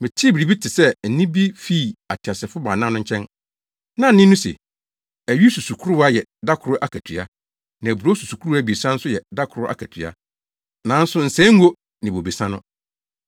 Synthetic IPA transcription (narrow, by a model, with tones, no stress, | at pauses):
mɪ̃˨tʰɪ˦bi˨bi˦tʰɪ˨sɛ˦n̩˨nĩ˦bi˦fi˦˨a˨tʰɪ˨a˨sɛ˨fʊ˦ba˨nã˦nʊ̃˦ɲ̩˦t͡ɕʰɛ̃˦n | nã˦nɪ̃˦nʊ̃˦sḛ˨ | æ˨ɥi˦su˨su˨kʰu˦ɾʊ˦a˦jɛ˨da˦kʰʊ˨ɾʊ˦ʔa˦kʰæ˨tʰɥa̰˦ | nã˨æ˨bu˨ɾo˦su˨su˨kʰu˦ɾu˦a˦bi˨sã˦n̩˦sʊ˦jɛ˨da˦kʰʊ˨ɾʊ˦ʔa̰˦kʰæ˨tʰɥa̰˦ | nã˨˦n̩˦sʊ˦n̩˨sɛ̃˦ŋ̩˦o˦ | nɪ̃˨bo˨be˨sã˦nʊ̃˦